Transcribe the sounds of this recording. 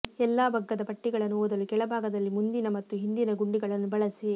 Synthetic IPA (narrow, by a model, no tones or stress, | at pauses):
ɛlːaːbʱɐɡːɐd̪ɐpɐʈːiɡɐɭɐnːuoːd̪ɐlukɛɭɐbʱaːɡɐd̪ɐlːimund̪inɐmɐt̪ːuɦind̪inɐɡuɳɖiɡɐɭɐnːubɐɭɐsi